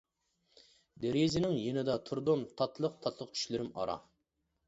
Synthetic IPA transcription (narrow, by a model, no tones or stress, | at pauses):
d̪eɾezɪnɪŋjenɪd̪ɑt̪ʰuɾd̪omt̪ʰɑt̪ʰlˠəq̚t̪ʰɑt̪ʰlˠəq̚t͡ʃʰy̥ʃlɪɾɪmɑ̰ɾɑ̰